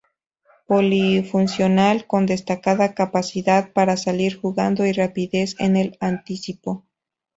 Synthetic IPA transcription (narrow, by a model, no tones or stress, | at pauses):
polifunsjo̞nalko̞nd̪e̞st̪akaðakapasiðaðpaɾasaliɾxuɣand̪oirapiðe̞se̞̰ne̞lant̪isipo̞